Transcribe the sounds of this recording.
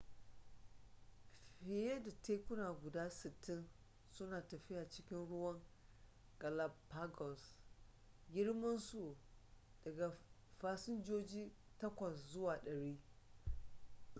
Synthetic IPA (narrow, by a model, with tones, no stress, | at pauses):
ɸɪ˨je˦da˨teː˦kʊ˦naː˨ɡʷʊ˨daː˦sɪ˨tːɪ˦n | sʊ˦naː˨tɐ˨ɸɪ˦jaː˨t͡ʃɪ˦kʲɪ˦nɽʊ˦wɐ˦ŋ | ɡɐ˨la˨pːa˦ɡɔ˨s | ɡʲɪ˦ɽmɐ˦nsu˨ | d̥ɐ˨ɡa˨ɸaː˦sɪ˦nd͡ʒoː˦d͡ʒiː˦tɐ˦kʷɐ˨szʊ˦waː˨ɗɐ˨ɽiː˦